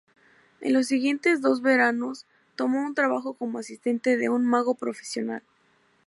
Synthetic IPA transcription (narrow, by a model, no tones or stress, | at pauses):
ḛnlo̞s̬ːiɣje̞nt̪e̞zðo̞zβe̞ɾano̞s | t̪o̞mo̞unt̪ɾaβaxo̞ko̞mo̞asist̪e̞nt̪e̞ðe̞unmaɣo̞pɾo̞fe̥sjo̞na̰l